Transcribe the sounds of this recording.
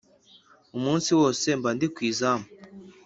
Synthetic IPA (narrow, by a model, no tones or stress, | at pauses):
umuːnsiwoːse̞mbandikwiːzama